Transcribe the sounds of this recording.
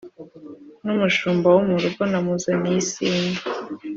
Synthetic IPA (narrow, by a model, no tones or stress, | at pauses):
numuʃuːmbawumuɾuɡonamuzanisiːnda